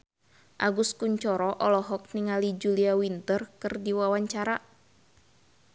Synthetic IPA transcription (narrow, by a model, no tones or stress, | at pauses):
ʔaɡuskuɲt͡ʃɔɾɔʔɔlɔɦɔk̚niŋalid͡ʒuliawint̪ərkɨrdiwawaɲt͡ʃaɾa